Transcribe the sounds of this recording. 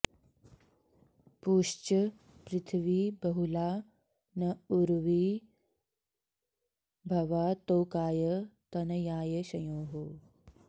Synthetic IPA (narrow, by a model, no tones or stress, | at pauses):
puːʂt͡ʃɐ | pɾɪt̪ʰʋiːbɐɦulaː | nɐuɾʋiː | bʱɐʋaːt̪oːkaːjət̪ɐnɐjaːjɐɕɐjoːɦo